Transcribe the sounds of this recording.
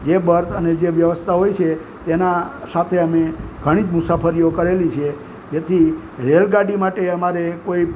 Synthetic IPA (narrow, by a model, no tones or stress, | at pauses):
d͡ʒebəɾsʰəned͡ʒeʋjəʋəst̪ʰaɦojt͡ʃʰe | t̪enasat̪ʰeəmeɡʱəɽ̃id͡ʒmʊsafəɾijokəɾelit͡ʃʰe | d͡ʒet̪ʰi | ɾelɡaɖimaʈeəmaɾekoi